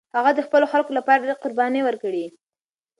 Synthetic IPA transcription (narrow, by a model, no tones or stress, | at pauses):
haɣad̪əxpəloxalkolapɑɾad̪eqʊɾbɑniwəɾkəɽi